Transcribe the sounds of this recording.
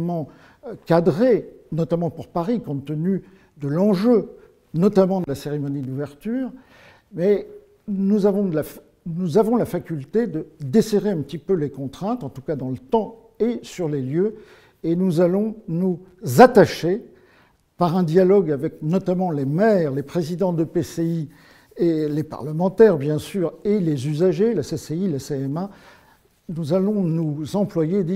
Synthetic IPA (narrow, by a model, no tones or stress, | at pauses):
mɑ̃ | kad̪ʁe | nɔt̪amɑ̃puʁpaʁikɔ̃t̪əny | d̪əlɑ̃ʒø | nɔt̪amɑ̃d̪əlaseʁemɔnid̪uvɛʁt̪yːʁ | mɛ | nuzavɔ̃laf | nuzavɔ̃lafakʲylt̪ed̪əd̪eseʁeɛ̃pət̪ipølekɔ̃t̪χɛ̃t̪ɑ̃t̪ukad̪ɑ̃lət̪ɑ̃ | esyʁleljø | enuzalɔ̃nuzat̪aʃe | paʁɛ̃d̪jalɔɡavɛknɔt̪amɑ̃lemɛʁlepχezid̪ɑ̃d̪əpesei | elepa̰ʁləmɑ̃t̪ɛʁbjɛ̃syːʁelezyzaʒelaseseilaseɛma | nuzalɔ̃nuzɑ̃plwajed̪i